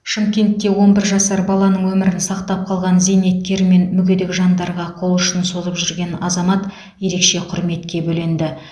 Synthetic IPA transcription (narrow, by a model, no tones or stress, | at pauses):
ʃɪmkʲe̞nt̪ːe̞wo̞nbɪɾʒɑsɑɾbɑlˠɑnəɴwɵmɪɾɪnsɑqt̪ɑp̚qʰɑlˠʁɑnzejne̞t̪̚kʲe̞ɾme̞nmʏɡʲed̪ɪkʒɑnd̪ɑɾʁɑqʰo̞lˠʊʃənso̞zəpʒʏɾɡʲe̞nɑzɑmɑt̪ | je̞ɾe̞kʃe̞qʰʊɾme̞t̪kʲe̞bɵlend̪ɪ